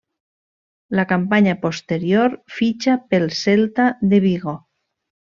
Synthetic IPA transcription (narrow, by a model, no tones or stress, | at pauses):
lakampaɲapost̪eɾjoɾfit͡ʃapelselt̪aðeβ̞iɣo